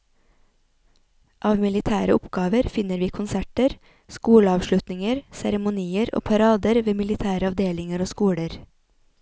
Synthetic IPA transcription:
ʔɑːʋmɪlɪt̪ʰæːɾə̰ʔʊpɡɑːʋəɾfɪnəɾʋiːkʰʊnsæʈəɾ | skuːɽəɑːʋʃlʉt̪nɪŋəɾsæɾəmʊniːəɾo̰ːpʰɑɾɑːd̪əɾʋeːmɪlɪt̪ʰæːɾəɑʋd̪eːlɪŋəɾoːskuːɽəɾ

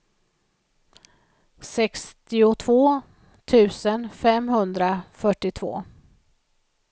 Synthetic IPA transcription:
sɛkst̪ɪʊt̪ʰvoː | t̪ʰʉ̟ːsənfɛmɦɵnd̪ɾafœʈːɪt̪ʰvo̰ː

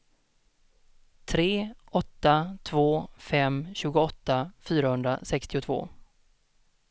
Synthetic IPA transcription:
t̪ʰɾeːʔɔt̪ːat̪ʰvoːfɛmɕʉ̟ːɡʊɔt̪ːafyːɾahɵnd̪ɾa̰sɛkst̪ɪʊt̪ʰvo̰ː

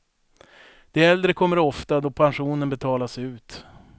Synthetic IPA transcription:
d̪̥ɛɛld̪ɾəkʰɔmːəɾɔft̪ad̪ɔpʰanɧuːnənbɛt̪ʰɑːlasʉ̟ːt̪

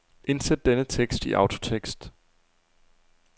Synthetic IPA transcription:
ʔe̝nsed̥̚ːenət͡sʰeɡ̥sd̥iʔɑ̈ʊd̥ʰot͡sʰeɡ̥sd̥

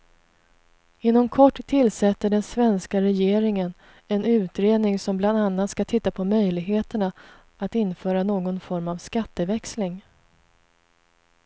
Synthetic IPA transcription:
ɪnːɔmkʰɔʈːtʰːɪlsɛt̪ːəɖɛnsvɛnskaɾɛjeːɾɪŋən | ɛnʉ̟ːt̪ɾeːd̪nɪŋsɔmbland̪anːat̪skat̪ʰɪt̪ːapʰɔmœjlɪɡɦeːt̪əɳa | ʔat̪ɪnfœːɾanoːɡɔnfɔɾmavskat̪ːəvɛkslɪŋ

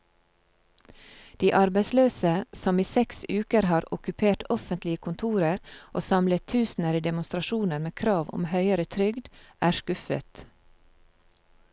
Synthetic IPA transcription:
d̪̥iːʔɑɾbæɪsløːsəsɔmiːsɛksʉːkəɾhɑːɾʊ̰kʉpʰeːʈɔfənt̪lɪəkʰʊnt̪ʰuːɾəɾʔoːsɑmlət̪ʰʉːsn̩əɾiːd̪ɛmʊnst̪ɾɑʃuːnəɾmeːkʰɾɑːʋʊ̰mhœʏəɾət̪ʰɾʏɡd̪ʔæːʃkʉfə̰t̪

